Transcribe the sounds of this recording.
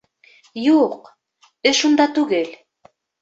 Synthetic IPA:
juq | ɘʃund̪ɑt̪ʉɡɘl

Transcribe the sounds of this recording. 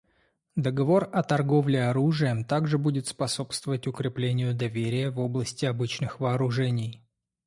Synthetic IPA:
d̪əɡɐvo̞rɐt̪ɐrɡo̞vlʲɪɐɾuʐɨjəmt̪aɡʐɨbudʲɪt̪spɐso̞pst̪vəvətʲʊkɾʲɪplʲenʲɪjʊd̪ɐvʲeɾʲɪjəvo̞blˠəsʲtʲɪɐbɨt͡ɕnɨxvɐːɾʊʐɛnʲɪj

